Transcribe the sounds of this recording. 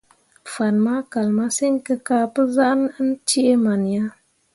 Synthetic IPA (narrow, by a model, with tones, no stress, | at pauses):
fa˨nma˦ka˨lma˦se˦ŋ˦kɨ˦kaː˦pɨ˦za˦ʔn˦n̩˦t͡ʃi˦ʔe˦ma˨n˨ja˦